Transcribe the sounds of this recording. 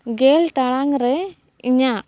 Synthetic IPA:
ɡɛlʈaɽaŋɾɛ | iɲaʔ

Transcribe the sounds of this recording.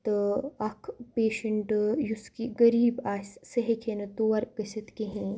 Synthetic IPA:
t̪ɐkʰpeːʃɐɳʈjuskiɡɐɾiːbaːssɐɦekʰenɐt̪uːɐɾkɐsɐt̪kiɦẽ

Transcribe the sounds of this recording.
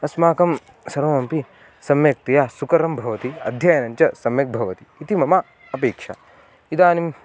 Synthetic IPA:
ɐsmaːkɐm | sɐɾoːmɐmpi | sɐmjɐk̚t̪ɐjaːsukɐɾɐmbʱɐʋɐt̪iɐ̰d̪ʱjaːjɐnɐɲt͡ʃɐsɐmjɐk̚bʱɐʋɐt̪iːt̪imɐma | ɐpeːkʂa̰ | id̪aːnim

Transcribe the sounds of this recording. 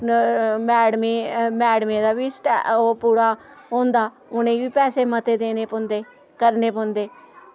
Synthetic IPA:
mɛːɽmemɛːɽmẽːd̪aːʋiːsʈɛ̰oːpuːɾaː | ɦõːnd̪aː | ʊnẽːʋiːpɛːseːmət̪eːd̪eːneːpõnd̪eː | kəɾneːpõːnd̪eː

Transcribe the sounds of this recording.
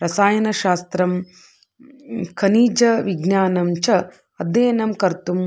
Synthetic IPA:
ɾɐsaːjɐnɐʃaːst̪ɾɐm | kʰɐniːd͡ʒɐʋiɡnaːnɐmt͡ʃɐ | ɐd̪eːnɐmkɐɾt̪um

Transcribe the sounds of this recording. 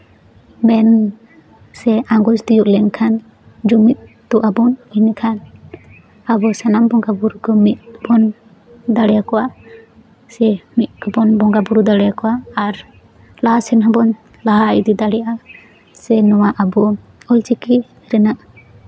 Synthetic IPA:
mɛn | sɛaŋɡɔt͡ʃd̪ijuʔlɛŋkʰan | d͡ʒumit̪̚ | t̪uʔabɔninikʰan | abɔsanambɔŋɡabuɾukɔmit̪̚bɔn | d̪aɽɛjakɔwa | sɛmit̪̚kɔbɔnbɔŋɡabuɾud̪aɽɛjakɔwaːɾ | lasɛnɦɔbɔn | laɦaid̪id̪aɽɛjaa | sɛnɔwaʔabɔ | ɔlt͡ʃiki | ɾɛnaʔ

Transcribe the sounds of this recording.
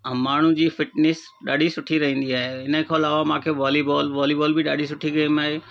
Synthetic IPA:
maːɳ̤ũd͡ʑiːfɪʈneːs | ɗa̰ːɖʱisʊʈʰiɾɐɦĩːn̆d̪iaːɦeɪnə̆kʰãɐlaːʋamãːkʰeʋaːlibɔːlʋaːlibɔːlbɪɗaːɖʱisʊʈʰiɡeimaːɦeː

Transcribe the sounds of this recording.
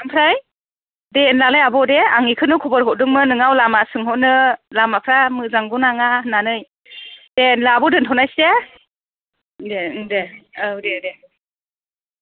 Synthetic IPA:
ampʰɾaj | ddenlalajabɔdeaŋikʰɯnɯkʰɔbɔɾɦɔʔ̚dɯŋmɯnɯŋawlamasɯŋɦɔʔnɯlamapʰɾamɯzaŋɡunaŋahɯnːanɯj | d̥enlabɔdɯntʰɔwnajste | dedeɯdede

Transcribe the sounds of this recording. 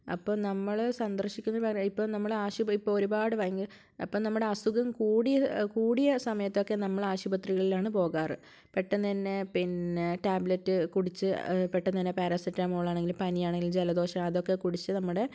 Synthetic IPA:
ɐ̰pːoːnɐmːɐɭsɐnd̪ɐrɕikʲːunːɐɐipːo̞ːnɐmːɐɭaːɕubɐipːooɾubaːɽɨʋaːjɐŋɡil | ɐpːoːnɐmːuɽe̞ɐsuɣɐmkuːɽijɐkuːɽijɐsɐmɐjɐt̪ːo̞kːe̞nɐmːɐɭaːɕubɐt̪riɣɐɭilaːɳɨpo̞ːɣaːrɨ | peʈːɐnt̪ɐnːe̞pinʈaːblɐtːɨkuɽit͡ɕːɨpeʈːɐnt̪ɐnːepɐːɾasitːamoːɭːaːɳeŋɡilpɐnijaːɳe̞ŋɡild͡ʑelɐd̪o̞ːɕɐmɐðo̞kːe̞kuɽit͡ɕːɨnɐmːuɽe̞

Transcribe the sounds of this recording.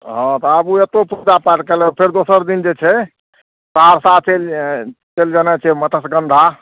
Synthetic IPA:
ɦɔ̃t̪ɔəbuet̪opud͡ʒapaʈkelɛpʰeɾd̪osəɾd̪ind͡ʒet͡ʃʰɛ | t͡ʃaɾsat͡ʃelt͡ʃeld͡ʒanat͡ʃʰɛmət̪əsɡənd̪ʱa

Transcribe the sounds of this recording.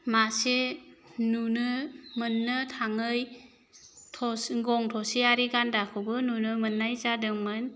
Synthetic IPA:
masenunɯmɯnːɯtʰaŋɯj | tʰɔsɡɔŋtʰɔsiaɾiɡandakʰɯwbɯnunɯmɯnːajzadɯŋmɯn

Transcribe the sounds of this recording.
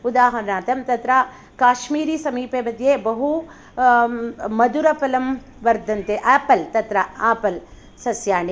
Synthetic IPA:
ud̪aːɦɐɾnaːt̪ɐmt̪ɐt̪ɾɐ | kaːʃmiːɾisɐmiːpeːmɐd̪jeːbɐɦu | mɐd̪uɾɐpɐlɐm | ʋɐɾd̪ʱɐnt̪eʔaːpɐlt̪ɐt̪ɾɐaːpɐl | sɐsjaːɳe

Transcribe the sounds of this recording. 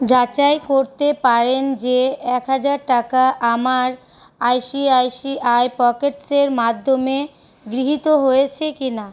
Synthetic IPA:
d͡ʑat͡ɕaekoɾt̪epaɾend͡ʑeɛkɦad͡ʑaɾʈakaʔamaɾ | ajʃiajʃiʔaepɔkeʈseɾmad̪ʱːome | ɡɾiɦit̪oɦojet͡ɕʰekina

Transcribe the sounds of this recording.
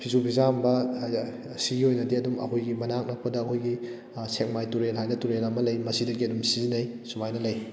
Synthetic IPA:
pʰizupʰizambɐ | siɡiojnɐdiɐdumɐ̰kojɡimɐnak̚nɐk̚pɐdɐːkʰojɡi | sek̚majtuɾenɦajnɐtuɾenɐmɐlɐjmɐsidɐɡiɐdumsizinɐjsumajnɐlɐj

